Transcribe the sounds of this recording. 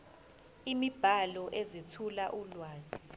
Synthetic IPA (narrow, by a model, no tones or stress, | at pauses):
imib̥ʱalɔʔezitʰulaʔulwaːzi